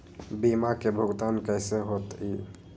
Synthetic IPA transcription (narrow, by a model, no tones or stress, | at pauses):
bimakebʱəɡt̪ankəɪseɦot̪i